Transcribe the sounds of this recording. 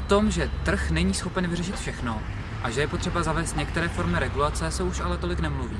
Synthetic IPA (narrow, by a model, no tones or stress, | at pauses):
t̪o̞mʒɛt̪r̩xnɛɲiːsxo̞pɛnvɪrɛʃɪt̪fʃɛxno̞ | ʔaʒɛjɛpo̞t̪r̝̥ɛbazavɛːst̪ɲɛkt̪ɛɾɛːfo̞ɾmɪɾɛɡulat͡sɛsɛuʃʔalɛt̪o̞lɪknɛmluviː